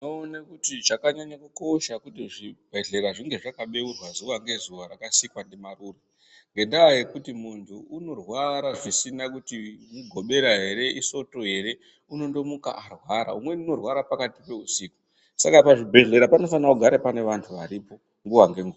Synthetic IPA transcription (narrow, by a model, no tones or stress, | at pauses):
noonakutiʐakaɲaɲakuko̞ʃakutiʐibʱe̞ɮe̞ɾaʐiŋɡe̞ʐakaɓe̞urwazuʋaŋɡe̞zuʋaɾakasikwandemaruːre | ŋɡe̞ndaːje̞kutimuntʰuuno̞rwaɾaʐisinakutimuɡʱo̞ɓe̞ɾaɦe̞ɾe̞ʔiso̞to̞ɦe̞ɾe̞ | uno̞ndo̞muka̰ʔarwaɾa̰umwe̞nuno̞rwaɾapakatipe̞usiːku̥ | sakapaʐibʱe̞ɮe̞ɾapano̞fanakuɡʱaɾepane̞ʋantʰuʋaɾipo̞ | ŋɡuʋaŋɡe̞ŋɡua